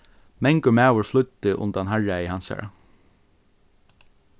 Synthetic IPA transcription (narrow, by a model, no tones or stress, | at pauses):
mɛŋkʊmæːʋʊɹflʊt̪ːɪʔʊ̰nt̪anɦaɹaɪhansa̰ɹa̰